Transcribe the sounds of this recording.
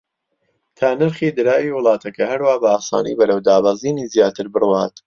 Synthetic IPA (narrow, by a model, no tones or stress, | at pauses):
t̪ʰaːnɨɾχiːd̪ɨɾaːjiwɨlˠɑːt̪ʰɐkɐɦɐɾwaːbɐaːsa̰ːnḭjbɐɾɐwd̪aːbaziːnizjaːt̪ɨɾbɨrwaːt̪